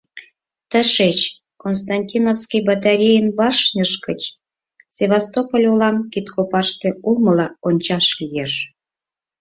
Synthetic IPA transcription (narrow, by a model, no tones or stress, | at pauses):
t̪əʃet͡ɕ | konst̪ɑnʲtʲinofskijbɑt̪ɑɾʲejənβɑʃnʲəʃkət͡ɕ | sʲeβɑst̪opolʲolɑmkit̪kʰopɑʃt̪eulməlɑonʲt͡ɕɑʃlʲijeʃ